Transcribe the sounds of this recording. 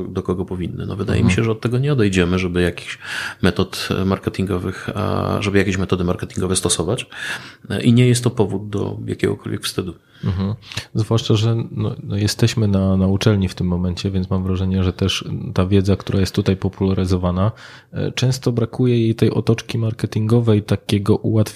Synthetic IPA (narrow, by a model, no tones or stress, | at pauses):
d̪ɔkɔɡɔpɔvʲinːɘ̰nɔ̰vɘd̪a̰jɛ̰mʲiɕɛʐɛɔt̪̚ːɛɡɔɲɛɔd̪ɛjd͡ʑɛmɘʐɛbɘjakʲi̥ɕmɛt̪ɔt̪maɾkɛt̪ʲiŋɡɔvɘxʐɛbɘjakʲeɕmɛt̪ɔd̪ɘmaɾkɛt̪ʲiŋɡɔvɛst̪ɔsɔvat͡ɕ | ʔiɲɛjɛst̪ːɔpɔvud̪̚d̪ɔ̰ja̰kʲɛ̰ɡɔ̰kɔlvʲjɛ̰kfst̪ɘd̪u | m̩ɦm̩zvwaʂt͡ʂaʐɛnɔ̰nɔjɛst̪ɛɕmɘnanaut͡ʂɛlɲift̪ɘmːɔmɛɲt͡ɕɛvʲjɛnt̪mamvɾaʐɛɲɛʐɛt̪ɛʂt̪avʲjɛd̪zakt̪uɾʔajɛst̪ːut̪ajpɔpulaɾɘzɔvana | t͡ʂɛ̃w̃st̪ɔbɾakujɛjejt̪ɛjʔɔ̰t̪ɔt͡ʂkʲimaɾkɛt̪ʲiŋɡɔvɛjt̪akʲɛɡɔʔuwat̪fʲ